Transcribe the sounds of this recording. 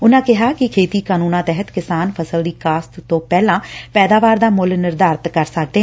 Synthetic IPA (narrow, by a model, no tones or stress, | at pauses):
ʊnãːkɪɦaːkɪkʰeːt̪iːkaːnuːnãːt̪ɛɦət̪kɪsaːnpʰəsəld̪iːkaːst̪t̪õːpɛːlãːpɛːd̪aːʋaːɾd̪aːmʊlnɪɾd̪aːɾt̪kəɾsək̚d̪eː